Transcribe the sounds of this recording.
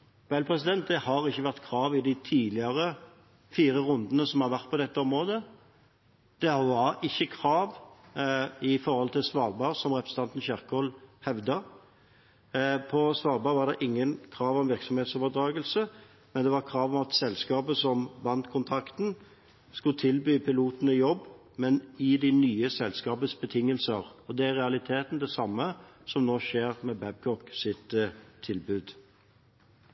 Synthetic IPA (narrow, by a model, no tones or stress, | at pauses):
bælpʰʁɛs̬ɪd̪ɛnt̪̚d̪ɛhɑʁɪçːəʋæʁt̪kʰʁɑːʋɪd̪ɪt̪ʰiːlɪɑʁə | fiːɾəʁʊnd̪ənəsɔmhɑʁʋæʁt̪̚pɔd̪ɛt̪ːəɔmʁoːd̪ə | d̪̥ɛʋɑɾɪçːəkʰɾɑːʋ | ɪfɔʁhɔlt̪ʰɪlsʋɑːʁbɑʁsɔmʁɛpɾəsət̪ɑnt̪ən̩çæʁkəhɔlhɛʋd̪ə | pʰɔsʋɑːɾbɑːʋɑʁd̪ɛʔɪŋːənkʰɾɑːʋɔmʋɪʁksɔmheːt̪soːʋəd̪ɾɑːɡəlsə | mɛnd̪ɛʋɑʁkʰʁɑːʋɔmɑt̪sɛlskɑːbəsɔmbɑnt̪kʰʊnt̪ʰɑkt̪n̩ | skʉlət̪ʰɪlbyːpʰɪluːt̪nəɪjɔbː | mɛnɪd̪ɪnyːəsɛlskɑːpət̪sbət̪ʰɪŋːəlsəʁɔd̪ɛæɾʁɛɑlɪt̪ʰeːt̪n̩d̪ɛsɑmːəsɔmnoːʃeːʁmɛbɛb̚kʰɔksɪt̪ʰːɪlbʉːd̪